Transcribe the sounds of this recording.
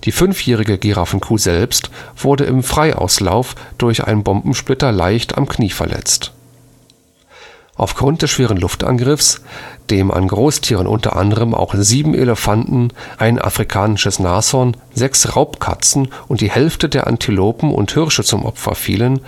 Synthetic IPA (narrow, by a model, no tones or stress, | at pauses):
d̥iːfʏnfjɛːʁ̞ɪɡəɡiʁafnkʰuːzɛlpstv̥ʊɐdəʔɪmfʁ̥aɪʔa̰ʊslaʊfd̥ʊɐçʔa̰ɪnənbɔmbm̩ʃplɪtɐla̰ɪçtʰa̰mkʰniːfɛɐlʔɛ̰t͡st | ʔaʊfɡ̥ʁʊnt̚d̥ɛsʃv̥eːʁ̞ənlʊftʔa̰nɡʁɪfsd̥eːmʔa̰nɡʁoːstʰiːʁ̞ənʔʊ̰ntɐ̰ʔa̰ndəʁəmʔa̰ʊxziːbm̩ʔḛləfantn̩ʔaɪnʔa̰fʁ̥ikʰaːnɪʃəsnaːsɔn | zɛksʁaʊpkʰa̰t͡sn̩ʔʊntd̥iːhɛlftədeːɐʔa̰ntʰiloːpm̩ʔʊ̰nthɪʁʃət͡sʊmʔɔ̰pfɐ̰fḭːlən